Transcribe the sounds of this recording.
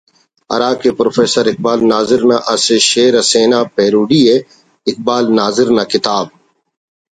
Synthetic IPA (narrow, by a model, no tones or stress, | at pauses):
ɐ̰ɾaːkepɾoːfeːsəɾɪk̚baːlnaːzɪɾnaʔɐseʃeːɾɐseːnaːpeːɾuːɖiːe | ɪk̚baːlnaːzɪɾnaːkɪt̪aːb̚